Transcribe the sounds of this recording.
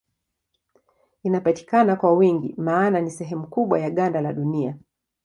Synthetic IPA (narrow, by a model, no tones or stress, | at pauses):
inapati̥kanakwawiŋɡḭmaːnanisɛɦɛmukuɓwajaɠandalaɗunia